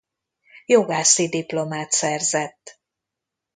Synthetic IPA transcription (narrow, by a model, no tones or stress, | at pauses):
joɡaːsid̪iplo̞maːt̪sɛrzɛt̪ː